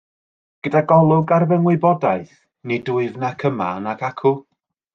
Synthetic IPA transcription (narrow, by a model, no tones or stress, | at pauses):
ɡ̥ədaɡɔlˠʊɡarvɛŋwɪbɔdaɨθ | nidʊɨvnakʰəma̰nakʰakʰʊ